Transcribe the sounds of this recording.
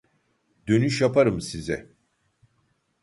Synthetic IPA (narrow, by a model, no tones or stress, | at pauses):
d̪ø̞nyʃjapʰaɾɯmsizɛ̰